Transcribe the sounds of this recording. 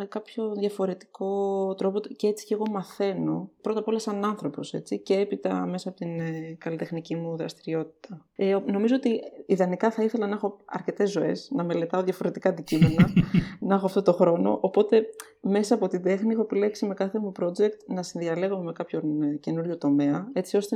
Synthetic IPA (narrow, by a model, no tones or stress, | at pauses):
mekɐpço̞ðʝɐfo̞ɾe̞t̪i̥ko̞t̪ɾo̞pot̪ceet͡si̥ce̞ɣo̞mɐθe̞no̞pɾot̪ɐpo̞lɐsɐnɐnθɾo̞po̞se̞̰t͡sice̞epit̪ɐ̰mesɐːpot̪inkɐlit̪e̞xnicimuðɾɐst̪iɾio̞t̪i̥t̪ɐno̞mizo̞ot̪iiðɐnikɐθɐiθe̞lɐnɐxo̞ɐ̰ɾce̞t̪e̞zːo̞e̞̰snɐme̞le̞t̪ɐoðjʝɐfo̞ɾe̞t̪ikɐnd̪icime̞nɐnɐxoɐft̪o̞t̪o̞xɾo̞no̞̰ʔopo̞t̪e̞ | me̞sɐːpo̞t̪ind̪e̞xniexo̞epile̞ksime̞kɐθe̞mupɾo̞d͡ʒe̞kt̪nɐsinðiɐle̞ɣomeme̞kɐpço̞nce̞nuɾʝo̞t̪o̞me̞ɐe̞t͡sio̞st̪e